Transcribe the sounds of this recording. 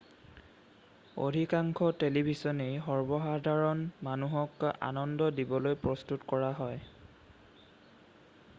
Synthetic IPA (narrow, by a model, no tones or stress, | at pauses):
o̰dʱikaŋkʰɔtelibʱisɔnejɦɔɹbɔɦadʱaɹɔnmanuɦɔka̰nɔndɔdibɔlojpɹɔstutkɔɹaɦɔj